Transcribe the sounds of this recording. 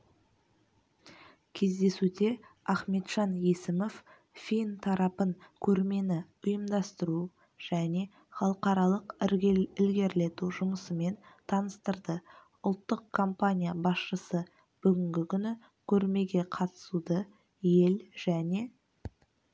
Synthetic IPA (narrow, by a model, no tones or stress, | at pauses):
kʲʰe̞zd̪e̞sud̪e̞ɑχme̞t̪ʒ̥ɑnjesɪmo̞f | fijnt̪ʰɑɾɑpəŋkʲʰɵɾme̞nɪ | ʊjəmd̪ɑst̪əɾu | ʒ̥æne̞ | χɑlˠəqɑɾɑlˠəqɪɾʲɪlɡʲe̞ɾle̞t̪uʒʊməsəme̞nt̪ʰɑnəst̪əɾd̪ə | ʊlˠt̪ːəqkʰːo̞mpanʲijabɑsʃəsə | b̥ʏɡʲɪŋɡʲɪkʲʰʏnɪ | kʲʰɵɾme̞ɡʲe̞qʰɑt̪ə̥sud̪ə | je̞lʒ̥æne̞